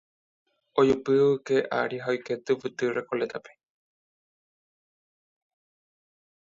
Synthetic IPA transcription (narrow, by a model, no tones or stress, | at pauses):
ojupɨʋɨkeʔa̰ɾiɦaojket̪ɨpɨt̪ɨɾekolet̪ʰape